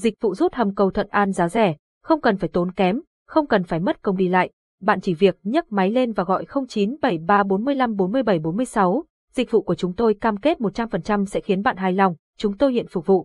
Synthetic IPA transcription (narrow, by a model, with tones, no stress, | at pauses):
zï˨˩k̚vṵ˧˨zu˦˥t̚hə˨˩mkə˨˩wt̪ʰwə̰˧˨nʔaː˧nzaː˨˦zɛ˧˩ | xə˧wŋ͡mkə˨˩nfaː˧˩jt̪o˨˦nkɛ˨˦m | xə˧wŋ͡mkə˨˩nfaː˧˩jmə˦˥t̚kə˧wŋ͡mɗi˧la̰ː˧˨j | ɓa̰ː˧˨nt͡ɕi˧˩vi˨˩ək̚ɲə˦˥t̚ma˨˦jle˧nvaː˨˩ɣɔ̰˧˨jxə˧wŋ͡mt͡ɕi˨˦nɓə˧˩jɓaː˧ɓo˨˦nmɨ˧əjla˧mɓo˨˦nmɨ˧əjɓə˧˩jɓo˨˦nmɨ˧əjsa˨˦w | zï˨˩k̟̚vṵ˧˨ku˧˩ət͡ɕʊ˨˦ŋ͡mt̪o˧jkaː˧mke˦˥t̚mo˨˩t̚t͡ɕa˧mfə˨˩nt͡ɕa˧msɛ̰˧˥xi˨˦ənɓa̰ː˧˨nɦaː˧˩jla˧wŋ͡m | t͡ɕʊ˨˦ŋ͡mt̪o˧jhḭ˧˨ənfʊ˨˩k̚vṵ˧˨